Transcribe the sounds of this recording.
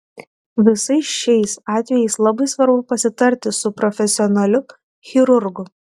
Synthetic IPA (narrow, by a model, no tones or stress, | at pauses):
ʋʲɪsɐɪsʃʲɛɪsɑːt̪ʲʋʲɛjɛɪslˠɐbɐɪsʋɐɾbʊpɐsʲɪt̪ɐɾʲt̪ʲɪsʊpɾɔfʲɛsʲɪɔnɐlʲʊ | xʲɪɾʊɾɡʊ